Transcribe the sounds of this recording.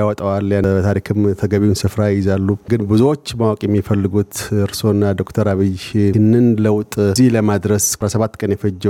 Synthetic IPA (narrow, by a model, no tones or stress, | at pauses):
awɔt̪ʼəwaljat̪ʰaɾikʰɨmt̪ʰəɡəβiwunsɨfɾajɪzalːuɡɨnbɨzuwo̞t͡ʃːmawakʼjɛmːifəlːɨɡut̪ɨɾso̞nːad̪o̞kt̪ʰəɾaβɨjɨnːɨnləwt̪ʼzihləmad̪ɾəsɾasəβat̪ːkʼənjɛfəd͡ʒː